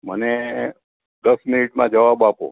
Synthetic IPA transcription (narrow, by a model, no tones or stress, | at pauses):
məne | d̪əsminiʈmãd͡ʒəʋabapo̰